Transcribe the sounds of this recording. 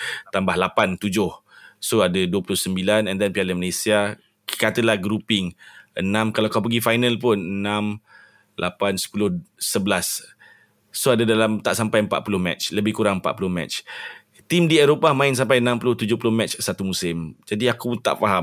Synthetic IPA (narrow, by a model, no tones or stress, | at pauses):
t̪ambahlapant̪ud͡ʒʊh | soadaduəpulʊhsəmbilanɛndɛnpialənməlesia | kat̪əlahɡɾupɪŋʔənãmkalaakawp̬əɡifajnəlp̬ʊnənãm | lʔa̰pansə̥pulʊhsəbəlasː | oadadalamt̪aʔsampajəmpa̰ʔ̪̚pulʊhmɛ̰t͡ʃləbɪhkuɾaŋəmpa̰ʔ̪̚pulʊhmɛ̰t͡ʃ | t̪imdiɛɾopamãɪns̬ampajənãmpulʊht̪ud͡ʒʊhpulʊhmɛt͡ʃsat̪umusɪmd͡ʒadiakut̪a̰ʔfaɦam